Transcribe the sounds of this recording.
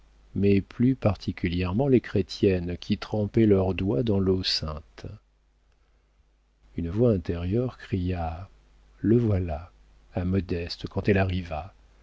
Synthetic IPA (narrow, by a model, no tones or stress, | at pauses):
mɛplypaʁt̪ʰikʲyljɛʁmɑ̃lekχet̪jɛnkʲit̪χɑ̃pɛlœʁd̪wad̪ɑ̃losɛ̃t̪ | ynvwaɛ̃t̪ɛʁjœʁkχija | ləvwala | amɔd̪ɛst̪əkɑ̃t̪ɛlaʁiva